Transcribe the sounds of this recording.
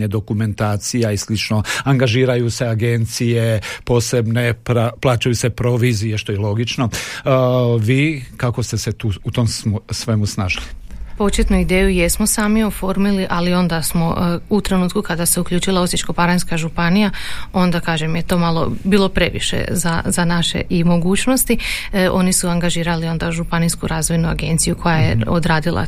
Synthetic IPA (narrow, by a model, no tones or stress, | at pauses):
ɲed̪o̞kume̞nt̪aːt̪sijaislit͡ʃno̞aŋɡaʒiːɾajuse̞aɡent̪sije̞po̞ːse̞bnepɾaplˠaːt͡ʃajuse̞pɾo̞ʋiːzijeʃt̪oilˠo̞ɡit͡ʃno̞ | ʋiːkako̞st̪e̞set̪uːut̪omssʋe̞musnaʒilipo̞t͡ʃet̪nuid̪eːjujesmo̞saːmio̞fo̞ɾmiliʔalio̞nd̪asmo̞ut̪ɾe̞nuːt̪kukad̪ase̞ukʎʲuːt͡ʃilˠaosit͡ʃko̞paɾanskaʒupanijao̞nd̪akaːʒemjet̪o̞ːmalˠo̞̰biːlˠo̞pɾe̞ʋḭʃḛzazanaʃḛʔimo̞ɡuːt͡ʃno̞st̪io̞nisuaŋɡaʒiːɾalio̞nd̪aʒupanijskuɾaːzʋo̞jnuaɡe̞nt̪sijukʰo̞jajḛod̪ɾaːd̪ilˠa̰